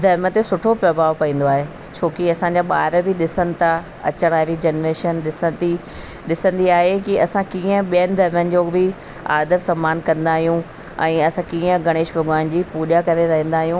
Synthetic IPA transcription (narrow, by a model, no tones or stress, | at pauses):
d̪ʱɐɾmə̆t̪esʊʈʰopɾɐbʱaːʋpɐĩːn̆d̪oaːɦe | t͡ɕʰoːkiɐsãɲd͡ʑaːɓa̰ːɾbʱɪɗɪsənɪ̆t̪ʰa | ɐ̰t͡ɕəɽ̃aːɪɾid͡ʑɐnɾeːʃənɗɪsə̃d̪i | ɗɪsə̃nd̪iaːɦekiɐsãkiːə̃ɓijənɪ̆d̪ʱɐɾmənɪ̆d͡ʑoːbɪ | a̰ːd̪ʱəɾsɐ̃mːaːnkɐ̃nd̪aːɦijũ | ɛ̃ːɐsãkiːə̃ɡʱɐɽ̃eːʃbʱɐɡʋaːnd͡ʑiːpuːʄakɐɾeɾɐɦə̃nd̪aːɦijũ